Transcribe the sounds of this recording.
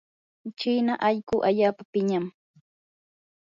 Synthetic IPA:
t͡ʃiːnaʔaʎkʊʔaʎaːpapɪɲam

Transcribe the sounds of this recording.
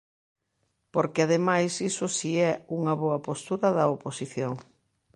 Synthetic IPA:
poɾkɪaðemajsisʊsiɛuŋɐβoɐpost̪uɾɐðɐoposiθjoŋ

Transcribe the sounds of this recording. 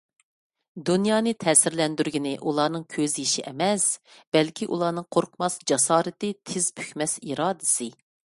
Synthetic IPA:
d̪unjɑːnɨt̪ʰɛːsɪɾlɛnd̪yɾɡʲinɪʔulˠɑːnɨŋkʲʰøzjiʃiʔɛmɛsb̥ɛlkʲʰiʔṵlˠɑːnɨŋqʰoɾqʰmɑsd͡ʒɑsɑːɾɨt̪ɪt̪ʰɪz̥pʰy̥xʲmɛsiɾɑːd̪ɪsɨ

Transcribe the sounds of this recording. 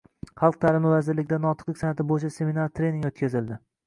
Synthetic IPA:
χɑlˠq̚t̪ʰaɾɪmɪvazɪɾlɪɡʲd̪anɒt̪ʰɨ̥qlɪkʲsanat̪ɪbojt͡ʃʰase̞minaɾt̪ʰɾenɪŋot̪kʲazɪld̪ɪ

